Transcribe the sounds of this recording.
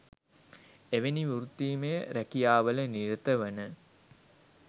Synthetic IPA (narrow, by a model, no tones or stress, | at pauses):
eʋeniʋuɾut̪iːmejəɾækijaːʋələniɾət̪əʋənə